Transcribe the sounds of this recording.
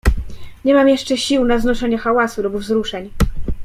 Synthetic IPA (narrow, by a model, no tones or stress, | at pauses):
ɲɛmamjɛʂt͡ʂɛɕiwnaznɔʂɛɲɛxawasulubvzɾuʂɛɲ